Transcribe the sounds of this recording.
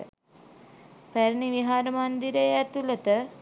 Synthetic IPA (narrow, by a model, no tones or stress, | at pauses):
pæɾniʋiɦaːɾəmand̪iɾəjæt̪ulət̪ə